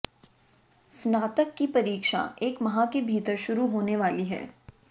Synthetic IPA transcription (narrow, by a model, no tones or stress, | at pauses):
snaːt̪əkːipɐɾiːkʃa̰eːkmɐɦãkebʱiːt̪əɾʃʊɾuɦoːneʋaːliɦɛ̰ː